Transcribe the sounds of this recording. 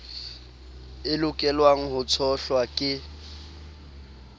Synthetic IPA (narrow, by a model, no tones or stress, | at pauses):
ɪlʊkʼɛlwaŋ̩ɦʊt͡sʰɔɬwakʼɪ